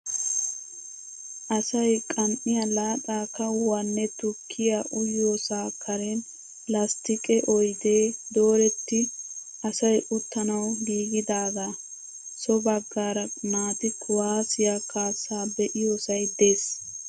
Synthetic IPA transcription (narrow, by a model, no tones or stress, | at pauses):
ʔɐsɐjkʼɐmʔɪjɐlaːɗaːkːɐwɐnːɛt̪ʊkʰːɪjaʔʊjoːsaːkʰɐɾɛn | lɐst̪ɪkʼɛʔɔjd̪eːd̪o̞ːɾɛt̪ːɪ | ʔɐsɐjʔʊt̪ːɐnɐwɡiːɡɪd̪aːɡa | sɔbɐɡːaːɾɐnaːt̪ɪkʊwaːsɪjakaːsaːbɛʔɪjoːsɐjd̪e̞ːs